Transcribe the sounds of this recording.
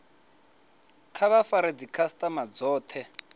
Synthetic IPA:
kʰaβafaɾed͡zikʰastʼamad͡zɔːt̪ʰɛ

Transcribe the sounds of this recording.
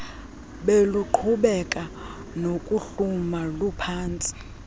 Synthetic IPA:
ɓeluǃʰuɓɛkʼa | nokʼuɬumalupʰaːnt͡sʼi̥

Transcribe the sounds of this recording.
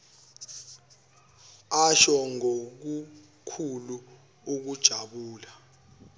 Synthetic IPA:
aʃɔŋok̬u | kʰulu | uk̬ud̥ʒ̥ʱaɓuːla

